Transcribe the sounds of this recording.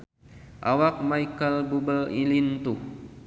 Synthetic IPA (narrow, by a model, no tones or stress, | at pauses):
ʔawak̚majkəlbubəilint̪uh